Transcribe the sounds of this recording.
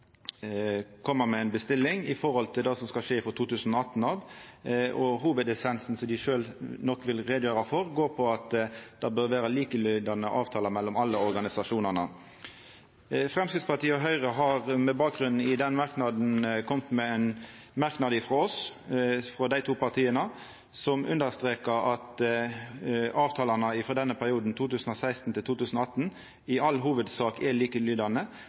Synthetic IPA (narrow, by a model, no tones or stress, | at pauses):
kʰɔmːəmɛæɪnbəst̪ɪlːɪŋɪfɔɾhɔlt̪ʰɪld̪ɑːsɔmskɑʂeːfɾɔt̪ʰuːt̪ʉːsn̩ɔɑt̪n̩ɑːʋ | ʔɔɦuːʋəd̪ɛsɛnsn̩sɔmd̪ɪʃøːlnɔkːʋɪlʁeːd̪jøːʁɑfɔʁɡoːʁpʰɔɑt̪d̪̥ɑbœɾʋæːɾəliːkəlʏʏd̪ɑnəʔɑːʋt̪ʰɑːləmɛlːɔmɑlːəɔɾɡɑnɪsɑʂuːnəʁnə | fʁɛmskʁɪt̪spɑʁt̪iːəɔɦœʏʁəɦɑʁmɛbɑːk̚ɡʁʉnn̩ɪd̪ɛnmɑʁknɑd̪n̩kʰɔmt̪mɛɛn | mɑʁknɑd̪ɪfʁɔɔs | fʁɔd̪æɪt̪ʰuːpɑʁt̪ʰiːənə | sɔmʔʉ̰nd̪əʁst̪ʁeːkəʁɑt̪ | ɑːʋt̪ʰɑːlɑnəɪfɔd̪ɛnːəpʰæʁɪuːd̪n̩t̪ʰuːt̪ʉːsən̩ɔsæɪst̪n̩t̪ʰɪlt̪uːt̪ʉːsn̩ɔːɑt̪ːn̩ | ɪɑlːɦuːʋəd̪sɑːkɛliːkəlyːd̪ɑnə